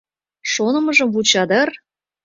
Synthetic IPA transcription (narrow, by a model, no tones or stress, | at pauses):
ʃonɤ̆mɤ̆ʒɤ̆mvut͡ɕɑd̪ər